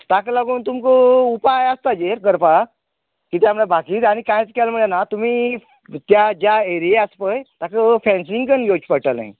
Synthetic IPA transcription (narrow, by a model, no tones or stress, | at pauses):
t̪akəlaɡuːnt̪umkəupajəst̪ad͡ʑeɾɡəɾpa | kiːt̪jamɭabʱakiːt̪aɽ̃ikãjt͡skɛlmuɭenat̪um̤iː | t̪jad͡ʑaeɾieaspəjt̪akəfɛ̃nsĩŋɡkənjot͡ɕpəʈəlã̰ḭ